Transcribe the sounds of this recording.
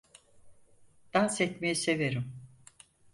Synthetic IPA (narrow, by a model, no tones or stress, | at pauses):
d̪̥ansɛt̪mejise̞veɾim